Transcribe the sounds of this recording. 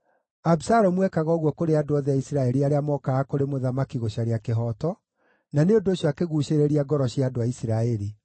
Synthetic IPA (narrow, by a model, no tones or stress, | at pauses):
absaɾɔmwɛkaɣɔːɣwɔkoɾeadoaðɛaisiɾaɛɾiaɾeamɔkaɣakoɾemoðamakiɣoɕaɾeakeɦɔtɔ | naneondoːɕjɔakeɣuɕeɾeɾiaɡɔɾɔɕiadoaisiɾaɛɾi